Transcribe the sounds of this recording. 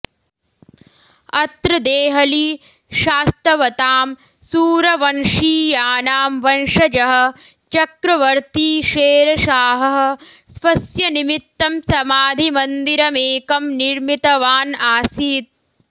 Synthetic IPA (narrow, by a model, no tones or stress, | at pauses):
ɐt̪ɾɐd̪eːɦɐliː | ʃaːst̪ɾɐʋɐt̪aːm | suːɾɐʋɐnʂiːjaːnaːmʋɐnʂɐd͡ʒɐɦɐ̆ | t͡ʃɐkɾɐʋɐɾt̪iːʃeːɾɐʃaːɦɐɦɐ̆sʋɐsjɐnimit̪ːɐmsɐmaːd̪ʱimɐnd̪iɾɐmeːkɐmniɾmit̪ɐʋaːnaːsiːt̪̚